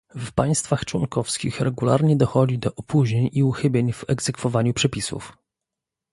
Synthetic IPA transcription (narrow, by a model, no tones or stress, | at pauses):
fpaj̃st̪faxt͡ʂwɔŋkɔfskʲḭxɾɛɡula̰ɾɲɛd̪ɔxɔd͡ʑid̪ɔʔɔpuʑɲeɲiuxɘbʲjeɲvɛɡzɛkfɔvaɲupʂɛpʲisṵf